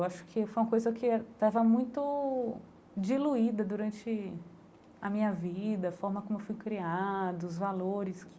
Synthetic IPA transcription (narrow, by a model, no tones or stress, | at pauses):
waʃʊ̥kʰɪfojũɐkojzɐkʰɪt̪avɐmũj̃t̪ʊ | d͡ʒiluid̪ɐd̪uɾɐ̃nt͡ʃɪ | ɐmĩɲɐvid̪ɐfɔɾmɐkõmʊewfujkɾiad̪ʊʊzvaloɾɪs